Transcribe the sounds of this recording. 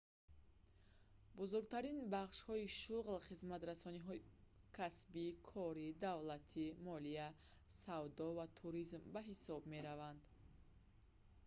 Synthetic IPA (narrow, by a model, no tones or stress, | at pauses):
buzuɾɡt̪ʰaɾinbaχʃhɔiʃuʁlχizmat̪ɾasɔniɦɔi | kʰasbikʰɔɾid̪avlat̪ʰimɔlia | savd̪ɔvat̪ʰuɾizmbaɦisɔbme̞ɾavand̪